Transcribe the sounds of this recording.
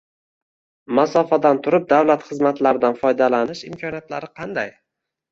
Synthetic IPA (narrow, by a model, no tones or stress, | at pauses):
masɒfad̪ant̪ʰʊɾɪp̚d̪awlat̪χɨzmat̪laɾɪd̪anfɒjd̪alanɪʃɪmkʲʰɒnijat̪laɾɪqʰɑnd̪aj